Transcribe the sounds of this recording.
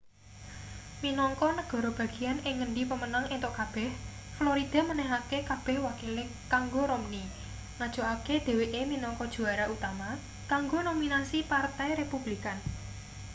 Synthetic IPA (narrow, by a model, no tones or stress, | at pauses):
minɔŋkɔnəɡ̥ɔ̤ɾɔb̥a̤ɡ̥i̤janɪŋːənɖipəmənaŋent̪ʊʔkab̥ɛh | floɾid̪̥a̤mənɛɦakekab̥ɛ̤hwakile | kaŋɡoɾomni | ŋad̥ʒ̥o̤ʔaked̪̥e̤weʔeminɔŋkɔd̥ʒ̥ṳaɾaut̪ama | kaŋɡonominasipart̪ɛjɾepub̥likan